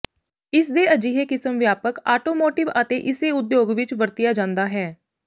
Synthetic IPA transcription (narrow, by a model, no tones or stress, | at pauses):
ɪsd̪eːəd͡ʒiːɦeːkɪsəmʋjaːpəkaːʈoːmoːʈɪʋət̪ḛːʔɪseːʊd̪joːɡʋɪt͡ʃʋəɾt̪ɪjaːd͡ʒãːnd̪aːɦɛː